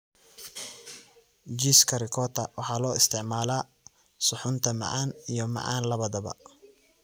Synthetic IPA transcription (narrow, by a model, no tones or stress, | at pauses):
d͡ʒiːskʰɐrɪkʰɔːt̪ʰɐwɑħɑːlɔːɪst̪ʰɪʕmaːlaː | sʊħʊnt̪ʰɐmɑ̰ʕɑːnijɔmɑ̰ʕɑ̰ːnlɐβɐðɐβɐ̰